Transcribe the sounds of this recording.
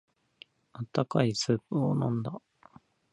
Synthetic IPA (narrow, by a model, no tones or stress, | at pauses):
at̪ːakaisɨːponõnd̪a